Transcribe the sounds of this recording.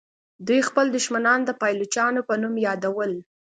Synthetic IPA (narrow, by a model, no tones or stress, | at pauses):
d̪ujxpəld̪ʊʃmanɑnd̪əpɑjlʊt͡ʃɑnopənumjɑd̪awəl